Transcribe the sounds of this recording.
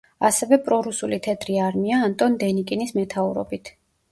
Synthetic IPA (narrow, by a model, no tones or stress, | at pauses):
asɛvɛpʼɾɔɾusulit̪ʰɛd̪ɾiaɾmiaːnt̪ʼɔnd̪ɛnikʼinismɛt̪ʰauɾɔ̰bit̪ʰ